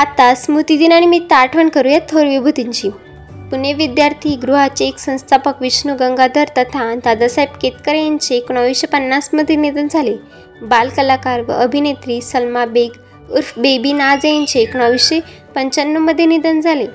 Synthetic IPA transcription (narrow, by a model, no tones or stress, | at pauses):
at̪asmut̪id̪inaɽ̃imit̪aʈʰʋəɳkəɾujat̪ʰoɾʋibʱut̪iɲt͡ɕi | puneʋid̪jaɾt̪ʰiːɡɾuɦat͡ɕeːksə̃w̃st̪ʰapəkʋiɕnuɡəŋɡad̪əɾt̪ət̪ʰad̪ad̪asajb̚ket̪̚kəɾejaɲt͡ɕeːkñəʋiɕepənːasməd̪ʱjenid̪ənd͡zʱale | balkəlakaɾʋə̰əbʱinet̪ɾiːsəlmabeɡ | uɾfbebiːnad͡zejaɲt͡ɕeːknɔʋiɕe | pəɲt͡ɕənːuməd̪ʱːjenid̪ənd͡zʱale